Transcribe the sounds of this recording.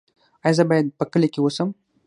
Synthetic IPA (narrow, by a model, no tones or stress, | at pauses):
ajazəbajad̪̚pəkəlekewosəm